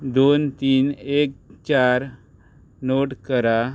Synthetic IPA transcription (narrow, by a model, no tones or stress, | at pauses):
d̪ont̪iːnekt͡ɕaɾ | noʈkəɾa